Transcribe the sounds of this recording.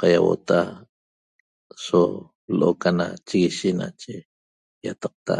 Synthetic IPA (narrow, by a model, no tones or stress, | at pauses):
qɑjawo̰t̪a | so | lʔokanat͡ʃiɣiʃinat͡ʃe | jat̪ɑq̚t̪a